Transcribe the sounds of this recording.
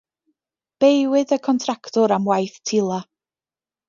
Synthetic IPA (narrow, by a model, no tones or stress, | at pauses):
b̥ejwɪðəkʰɔntʰraktɔɾamwajθtʰɪlˠa